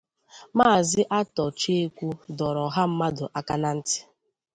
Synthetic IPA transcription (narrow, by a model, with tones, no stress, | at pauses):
maː˦˨zɪ˦ʔa˦tɔ˨t͡ʃe˦e˦kʷu˦dɔ˨ɾɔ˨ɦa˦m̩˦ma˦dʊ˨ʔa˦ka˦na˦n̩˦tɪ̥˦